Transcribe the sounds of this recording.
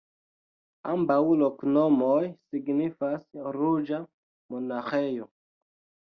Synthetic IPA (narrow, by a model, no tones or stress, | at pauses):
ambawloknomojsiɡnifasɾud͡ʒa | monaxejo